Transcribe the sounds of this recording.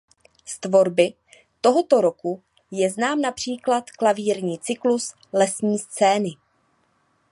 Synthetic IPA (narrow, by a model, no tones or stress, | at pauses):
st̪vo̞ɾbɪ | t̪o̞ɦo̞t̪o̞ɾoku | jɛznaːmnapr̝̥iːklat̪klaviːɾɲiːt͡sɪklus | lɛsɲiːst͡sɛːnɪ